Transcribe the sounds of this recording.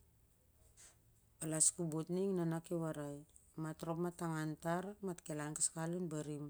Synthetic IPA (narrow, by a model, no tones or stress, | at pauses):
palaskubotniŋnanakewaɾaj | matɾo̞pmataŋantaɾmatkelankaskalinbaɾim